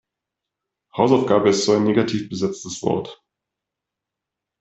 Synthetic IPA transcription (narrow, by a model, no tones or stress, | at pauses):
haʊsaʊfɡ̥aːbəɪstz̥oːaɪnːeːɡatʰiːfb̥əzɛt͡stəsv̥ɔ̰ɐt